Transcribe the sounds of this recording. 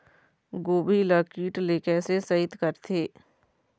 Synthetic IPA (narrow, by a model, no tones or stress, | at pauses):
ɡoːbʱiləkiːʈleːkəsesɐɦɪt̪kɐɾt̪ʰeː